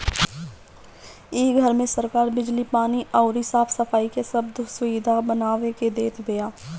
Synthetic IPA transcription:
iːɡʱəɾmẽsəɾkaːɾbɪd͡ʒlipaːniʔɔːɾɪsaːfʰsɐfʰaːikesɐbd̪ʊsʊiːd̪ʱabənaːʋeked̪eːt̪ʰbejaː

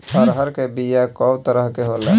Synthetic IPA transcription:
əɾɦəɾkebijakɔwt̪əɾəɦkeɦola

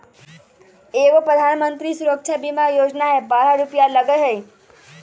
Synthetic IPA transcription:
eʋopɾəd̪ʱanmənt̪ɾisuɾəkʃʰabimajod͡ʒnaebaɾaɾupjaləɡəɦəj

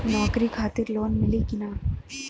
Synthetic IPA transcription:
nɔːkɾikʰaːt̪ɪɾloːnmɪlikɪnaː

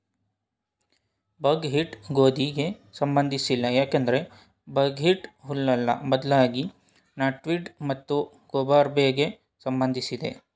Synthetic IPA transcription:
bɐɡɦiʈɡoːd̪ʱiɡe̞sɐmbɐnd̪ʱisilːɐjaːkend̪ɐɾe̞ | bɐɡɦiʈɦulːɐlːɐ̰bɐd̪laːɡi | naːʈʋiɖmɐt̪ːu | ɡoːbaːɾbeːɡe̞ | sɐmbɐnd̪ʱisid̪e̞̰

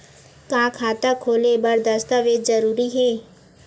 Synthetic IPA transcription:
kãːkʰaːt̪akʰoːlebɐɾd̪ɐst̪aʋeːd̪zəɾuːɾiɦɛː

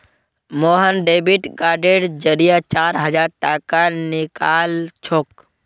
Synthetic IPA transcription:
moːɦənɖeːbiʈɡaːɖeɖd͡ʒəɾijat͡ʃaːɾɦəd͡ʒaːɾʈaːkanɪkaːlt͡ʃʰoːk

